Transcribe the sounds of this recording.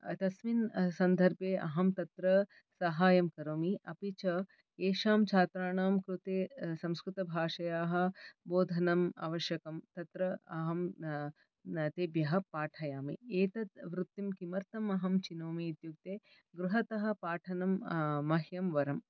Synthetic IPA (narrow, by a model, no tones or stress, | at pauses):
t̪ɐsminsɐnd̪ʱɐɾbʱjeːʔɐ̰ɦɐmt̪ɐt̪ɾɐ | sɐɦaːjɐmkɐɾoːmiʔɐpit͡ʃɐ | eːʃaːmt͡ʃʰaːt̪ɾaːɳaːmkɾut̪eːsɐ̃mskɾut̪ɐbʱaːʃɐjaːɦɐ̆boːd̪ʱɐnɐma̰ːʋɐʃjɐkɐmt̪ɐt̪ɾɐɐɦɐm | t̪eːbjɐɦɐ̆paːʈʰɐjaːmḭeːt̪ɐt̪ʋɾut̪ːimkimɐɾt̪ɐmɐɦɐmt͡ʃinoːmiːt̪juk̚t̪eː | ɡɾuɦɐt̪ɐɦɐ̆paːʈʰɐnɐmːɐɦjɐmʋɐɾɐm